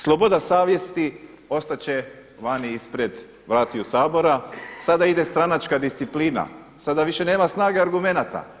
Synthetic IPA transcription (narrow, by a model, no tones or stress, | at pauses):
slˠobo̞d̪asaːʋje̞st̪i | o̞st̪at͡ɕe̞ | ʋaniispɾed̪ | ʋɾaːt̪iusaːbo̞ɾasad̪aid̪e̞st̪ɾanat͡ʃkad̪ist̪sipliːna̰ | sad̪aʋiʃe̞ne̞ːmasnaːɡe̞aɾɡume̞nat̪a̰